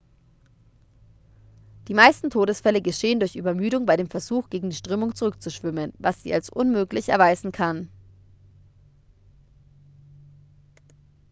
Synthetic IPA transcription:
d̥iːmaɪstn̩tʰoːɾəsfɛləɡəʃeːəndʊɐçʔy̰ːbɐmyːɾʊŋbaɪɾeːmfɛɐzuːxɡ̥eːɡŋ̩diːʃtʁ̥øːmʊŋt͡suʁʏk̚t͡suʃv̥ʏmənvasz̥ḭːalsʔʊnmøːklɪçɛ̰ɐvaɪzn̩kʰan

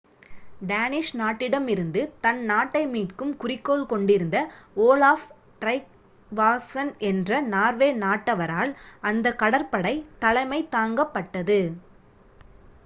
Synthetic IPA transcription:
ɖaːnɪʂnaːʈːɪɽɐmɪɾɯnd̪ɯt̪ɐnnaːʈːɐɪmiːʈkɯmkʊrɪkːoːlkɔɳɖɪɾɯnd̪ɐoːlaːf | ʈɾɐɪk̚ | ʋaːsɐnɛndrɐnaːɾʋeːnaːʈːɐʋɐɾaːlɐnd̪ɐkːɐɽɐɾpɐɽɐɪt̪ɐlɐɪmɐɪt̪aːŋɡɐpːɐʈːɐðɯ

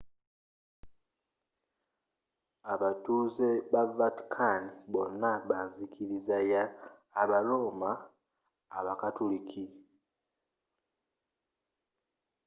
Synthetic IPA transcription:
aβatuzeβavati̥kʰaniβo̞nːaβanzikʰiɾizajaː | βalomaː | βakatulikʰi

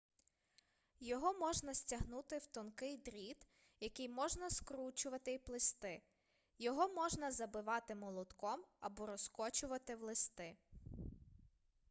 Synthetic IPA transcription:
jɔɦɔmɔʒnɐsʲtʲɐɦnut̪ɪwt̪ɔnkɪjd̪ɾʲid̪ | jɐkɪjmɔʒnɐskɾut͡ʃʊʋɐt̪ɪiplˠɪst̪ɪ | jɔɦɔmɔʒnɐzɐbɪʋɑt̪ɪmɔlˠɔd̪kɔmɐbɔɾɔskɔt͡ʃʊʋɐt̪ɪwlˠɪst̪ɪ

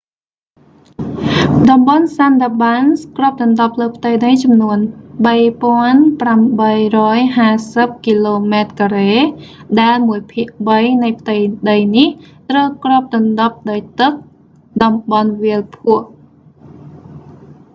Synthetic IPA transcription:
ɗɑmɓɑnsanɗ̪aɓanskroəp̚t̪ɑnɗop̚ləːpʰt̪əjɗəjt͡ɕɑmnuənɓəjpŏənpramɓəjrɔːjɦaːsəp̚kiːloːmat̪̚kaɾeː | ɗaɛlmuəjpʰiəʔɓəjnɨjpʰt̪ɨjɗəjniht̪rəwkroəp̚t̪ɑnɗop̚ɗaɔjt̪ɨk̚ | ɗɑmɓɑnʋiəlpʰuəʔ

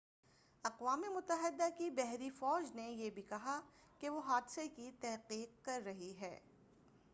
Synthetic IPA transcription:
ɐqʋaːmemʊt̪ːəɦɪd̪akibɛɦɾifɔːd͡ʒnejebʱikɐɦa | keʋoɦaːd̪sekit̪ɛɦqiːq̚kɐɾːɐɦiɦɛ̰ː

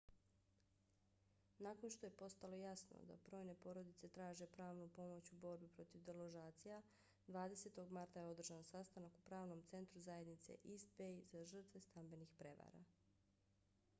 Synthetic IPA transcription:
nako̞nʃt̪o̞je̞po̞st̪alˠo̞jasno̰d̪a̰bɾo̞ːjne̞po̞ɾo̞d̪it̪se̞t̪ɾaːʒe̞pɾaːʋnupo̞mo̞t͡ɕubo̞ɾbipɾo̞t̪iʋd̪elˠoʒaːt̪sija | d̪ʋaːd̪e̞set̪o̞ɡmaɾt̪ajeo̞d̪r̩ʒansast̪anakupɾaːʋno̞mt̪se̞nt̪ɾuzaje̞d̪nit̪se̞̰ʔist̪bejzaʒr̩t̪ʋe̞st̪ambe̞nixpɾe̞ʋa̰ːɾa̰

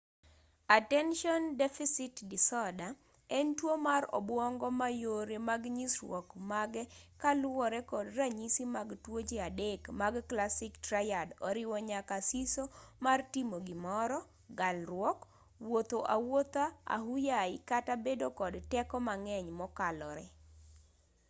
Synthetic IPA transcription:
atɛnʃɔndɛfisɪtdɪsɔda | ɛntwomarɔ̰bwɔŋɡɔmajoɾemaɡɲisrwɔkmaɡɛkalwɔɾɛkɔdraɲisimaɡtwot͡ʃeadekmaɡklasɪktrajadɔɾɪwɔɲakasisomartimoɡimɔɾɔ | ɡalrwɔk | wot̪oʔawot̪aa̰ɦujaɪkatabedokɔdtɛkɔmaŋɛɲmɔkalɔɾɛ

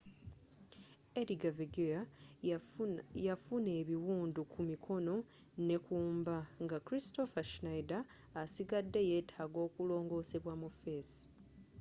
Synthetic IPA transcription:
eɾiɡaviɡea | jafune̞ːβiwuːndukʰumikʰo̞no̞ | ne̞kuːmbaŋɡakɾisto̞faʃinajdaː | siɡadːe̞je̞ːtʰaːɡo̞ːkulo̞ːŋɡo̞ːse̞βwamufesi̥

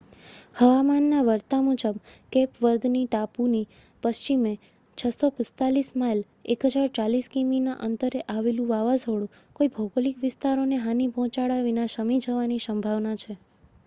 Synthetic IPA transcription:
həʋamanːaʋəɾt̪amud͡ʒəbkepʋəɾd̪niʈapuni | pəst͡ʃime | t͡ʃʰəsopɪst̪alismail | ekɦəd͡ʒaɾt͡ʃaliskimina̰ʔənt̪əɾeʔaʋelũʋaʋasoɽũ | koibʱəɡolikʋɪst̪aɾoneɦanipɔ̃t͡ʃaɽaʋinaʃəmid͡ʒəʋanisəmbʱaʋnat͡ʃʰe

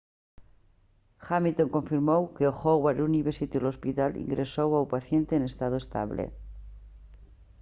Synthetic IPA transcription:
xamilt̪oŋkõ̞ɱfiɾmowkeoxoɣwaɾuniβeɾsit̪ilospit̪alḭŋɡɾesowawpaθje̞nt̪eːnest̪aðoest̪a̰βlḛ

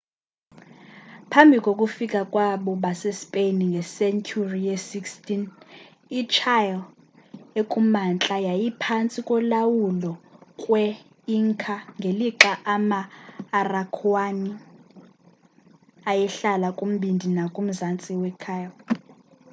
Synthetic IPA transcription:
pʰambʱikʼokʼufikʼakʼwaɓɔɓasespʼeniŋɡʱɛsɛnt͡ʃʰurijɛsikstin | it͡ʃʰajl | ekʼumant͡ɬʼajajipʰant͡sʼikʼɔlawulɔkʼwɛ | iŋkʰaŋɡʱeliǁaʔamaːrakʰwani | ajɛɬalakʼum̩ɓindʱinakʼum̩zant͡sʼiwɛkʰajl

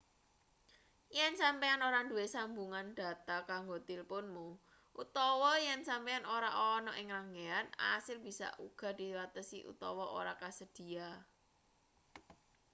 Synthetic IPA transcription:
jɛnsampeanoɾand̪uwesambuŋanɖ̪̥a̤t̪akaŋɡot̪ilpʊnmu | ʔut̪ɔwɔjɛnsampeanoɾaʔɔnɔʔɪŋɾaŋeana̰sɪlb̥isa̰ʔuɡ̥ä̤d̪̥i̤wat̪əsḭʔṵt̪ɔwɔʔo̰ɾakasəd̪̥i̤a

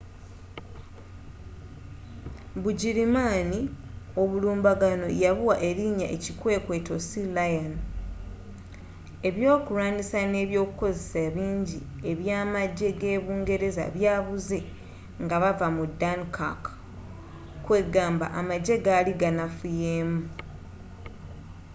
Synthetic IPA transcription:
buɟiɾimanio̞βuluːmbaɡano̞̰jaβuwaʔe̞ɾiɲa̰ʔecikwe̞ːkwe̞to̞silajan | e̞βjo̞ːkuɾaːnisane̞ːβjo̞ːkuko̞zesaβiːɲɟi | e̞βjaːmaɟːe̞ɡe̞ːβuːŋɡe̞ɾe̞za̰βjaːβuze̞ | ŋɡaβavamudankʰa̰k | kwe̞ɡaːmba̰ʔamaɟːe̞ɡaliɡanafujeːmu

